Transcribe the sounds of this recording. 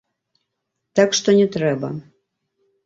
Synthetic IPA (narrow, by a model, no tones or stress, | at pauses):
t̪akʂt̪onʲɛt̪ɾɛbɐ̰